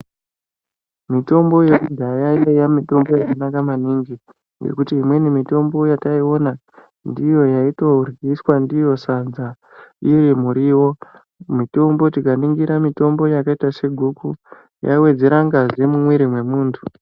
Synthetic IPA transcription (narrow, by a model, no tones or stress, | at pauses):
mito̞mbo̞je̞kudʱajaiejamito̞mbo̞jakanakamaniŋɡi | je̞̰kutiːmwe̞nimito̞mbo̞jataio̞na | ndijo̞jaito̞rɡiswandijo̞sanza | ijimuɾiːwo̞ | mito̞mbo̞tikaniŋɡiɾamito̞mbo̞jakaitase̞ɡʱuku | ja̰iwe̞d͡ze̞ɾaŋɡazemumwiɾimwe̞muːntʰu̥